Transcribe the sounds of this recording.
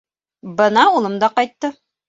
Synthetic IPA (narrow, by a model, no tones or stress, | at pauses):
bɤnɑulˠɤmd̪ɑqɑjt̪ːɤ